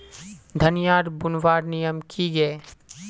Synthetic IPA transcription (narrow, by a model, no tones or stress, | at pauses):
d̪ʱənɪjaːɾbʊnʋaːɾnijəmkʰiɡɐe